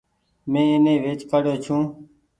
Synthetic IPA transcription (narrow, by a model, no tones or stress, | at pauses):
mẽːɪnẽːʋeːt͡ʃpəɽjoːt͡ʃʰũː